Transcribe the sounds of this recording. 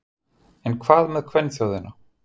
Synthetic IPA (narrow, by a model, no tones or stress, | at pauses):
ɛnkʰvaːðmɛðkʰvɛnːsjawðɪnːa